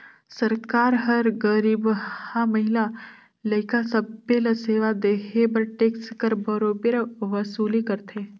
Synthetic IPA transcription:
səɾkaːɾɦəɾɡəɾibhamɐɦɪla | ləɪkasɐbːelɐseːʋad̪eːɦʰebəɾʈeːkskəɾbəɾoːbeɾʋəsuːlikəɾt̪ʰe

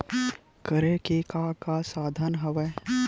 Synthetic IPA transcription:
kəɾekekaːkaːsaːd̪ʱənɦɐʋɛː

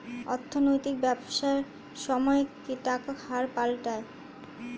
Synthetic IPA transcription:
ɔɾt̪ʰːonojt̪ik̚bɛboʃaeɾ | ʃɔmɔekiʈakakhaɾpalʈae

